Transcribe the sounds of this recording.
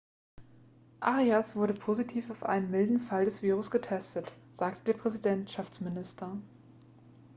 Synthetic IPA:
ʔaʁiasv̥ʊɐɾəpʰozitʰiːfaʊfʔa̰ɪnəmmɪldn̩faldɛsv̥iːʁ̞ʊsɡ̥ətʰɛstətz̥aːk̚tʰəd̥eːɐpʁ̥ɛzidɛntʃaft͡smɪnɪstʰɐ

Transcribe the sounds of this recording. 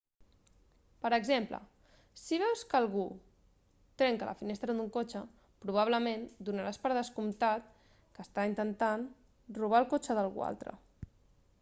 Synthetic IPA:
pəɾəɡzemplə̰ | siβ̞ɛwskəlˠɣu | t̪ɾɛŋkələ̰finest̪ɾəðuŋkot͡ʃə | pɾuβ̞aβ̞ləmẽnd̪unəɾaspəɾð̞əskumt̪at̪̚ | kəst̪aint̪ənt̪an | ruβ̞aəlˠkot͡ʃəðəlˠɣṵa̰lˠt̪ɾə̰

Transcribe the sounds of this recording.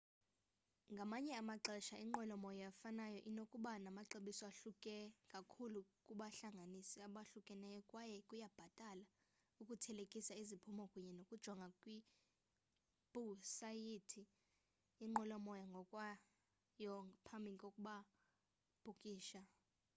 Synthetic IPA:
ŋɡʱamaɲɛamaǁɛʃaiŋ͡ǃɔlɔmɔjɔjafanajɔʔinokʼuɓanamaǁeɓisɔaɬukʼɛkʼakʰulukʼuɓaɬaŋɡʱanisiaɓaɬukʼɛnɛjɔkʼwajɛkʼujab̥ʱatʼala | ukʼutʰɛlekʼisaizipʰumɔkʼuɲɛnokʼud̥ʒ̥ʱɔaŋɡʱakʼwi | b̥ʱusajitʰiː | ŋ͡ǃɔlɔmɔjaŋɡʱɔkʼwa | jɔpʰambʱikʼokʼuɓa | b̥ʱukʼiːʃa

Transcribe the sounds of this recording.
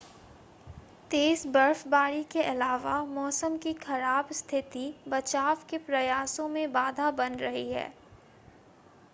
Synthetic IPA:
t̪eːsbɐɾfbaːɾikeʔɐlaːʋamɔːsəmkixɐɾaːbst̪ʰɪt̪ibɐt͡ʃaːʋkepɾɐjaːsõmẽbaːd̪ʱabɐnɾɐɦiɦɛ̰ː

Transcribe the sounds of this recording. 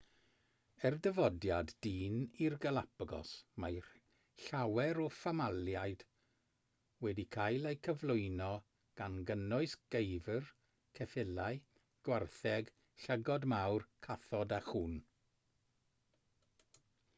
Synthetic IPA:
ɛrdəvɔdjadːiːnirɡəlˠapɡɔ̰smaj | ɬawɛɾɔfamalˠjajd̥ | wɛdikʰajlˠejkʰəvlˠʊɨnɔ | ɡ̥anɡənʊɨsɡ̥ejvər | kʰɛfɪlaj | ɡ̥warθɛɡ | ɬəɡɔdmawrkʰaθɔdaχuːn

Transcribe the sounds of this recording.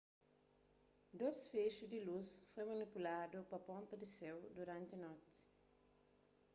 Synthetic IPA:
d̪osfeʃud̪ilusfojmɐnipulad̪ʊpɐpõnt̪ɐd̪isɛwd̪uɾɐ̃nt̪ɐnɔt̪ɪ̥

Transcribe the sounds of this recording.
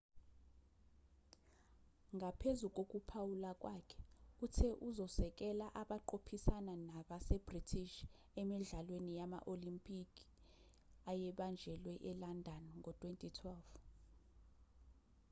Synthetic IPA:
ŋɡʱapʰezuk̬ʼok̬ʼupʰawulak̬ʼwaːkʰɛ̥utʰɛʔuzɔsɛk̬ʼɛlaʔaɓaǃopʰisananaɓasɛbritʰiʃ | ɛmiɮalwenijama̰ʔolimpʼikʼi | ajɛɓand͡ʒʱɛlwɛʔɛlandʱanŋʱɔtʰʼwentʼitʰwɛlv

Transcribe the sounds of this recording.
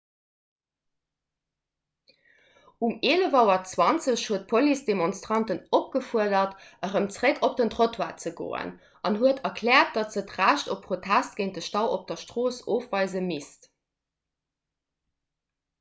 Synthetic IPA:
umeːləvɑʊɐt͡swɑnt͡səɕhuət̚pʰolisd̥emonstʁɑntənop̚ɡ̥əfuɐdɐtəʁəmt͡sʁekʰop̚d̥əntʁotʰwaːt͡səɡo̰ːə̰n | ʔɑnɦuətʰɐkʰlɛːɐt̚d̥ɑtz̥ətʁæːʃtopʰːχotʰæst̚ɡ̥eɪnt̚dəʃtɑʊop̚d̥ɐʃtʁoːsoːfvɑɪzəmist

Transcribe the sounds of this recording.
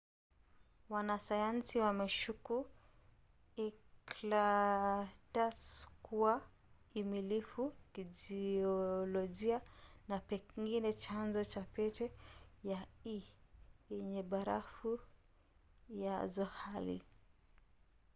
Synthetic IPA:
wanasajansiwamɛʃuku | ikla | taskuwa | imilifukid͡ʒiɔlɔʄianapɛŋɡinɛt͡ʃanzɔt͡ʃapɛtɛjai | ɛɲɛɓaɾa̰fu | jazɔhalḭ

